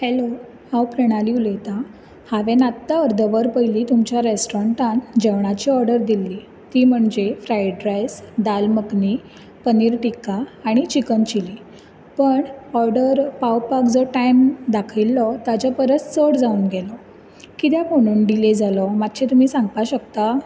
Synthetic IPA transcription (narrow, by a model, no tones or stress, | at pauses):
hɛlo | hãwpɾeɽ̃aliulet̪a | haʋenat̪ːaəɾd̪ʱəʋəɾpəjliːt̪umt͡ɕjaɾesʈɾɔɳʈãnd͡ʑeʋɳ̃at͡ɕiːɔɾɖəɾd̪ilːiː | t̪iːm̤əɳd͡zefɾajɖɾajsd̪alməkni | pəniːɾʈikaːɽ̃it͡ɕikənt͡ɕiliː | pəɳɔɾɖəɾpawpakd͡zəʈajmd̪akʰilːɔt̪at͡ɕapəɾət͡st͡səɽd͡zauːnɡɛlɔ | kit̪jakoɽ̃uːnɖiled͡zalɔmat̪ɕĩt̪um̤iːsãŋɡpaɕək̚t̪a